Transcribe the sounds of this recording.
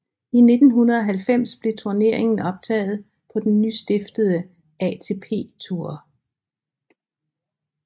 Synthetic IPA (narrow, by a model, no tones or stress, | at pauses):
ine̝d̥n̩ɦunɐð̩ˠɒɦælfem̰sb̥le̝t͡sʰuɐne̝ɐ̰e̝ŋn̩ɒ̽b̥̚t͡sʰɛ̰ːð̞̩ˠ | pʰɒ̽d̥enːysd̥e̝fd̥əð̞ˠə | ɛt͡sʰe̝ːpʰe̝̰ːt͡sʰuɐ̰